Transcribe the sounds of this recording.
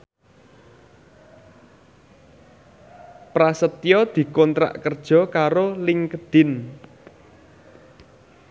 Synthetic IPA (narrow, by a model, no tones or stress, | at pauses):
pɾasət̪jɔd̪̥i̤kɔnt̪ɾa̰ʔkərd̥ʒ̥ɔ̤kaɾolɪŋkəd̪̥ɪ̤n